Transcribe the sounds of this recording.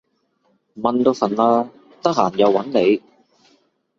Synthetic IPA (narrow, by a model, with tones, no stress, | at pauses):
mɐ˨˧nt̪o˧wfɐ˨˩nlaː˧ | t̪ɐ˥k̚haː˨˩njɐ˨˧wːɐ˨˥nle˨˧j